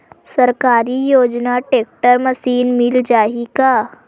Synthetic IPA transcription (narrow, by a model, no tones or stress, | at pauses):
sɐɾkaːɾijoːd͡ʒnaʈeːk̚ʈəɾmɐsiːnmɪld͡ʒaːɦikaː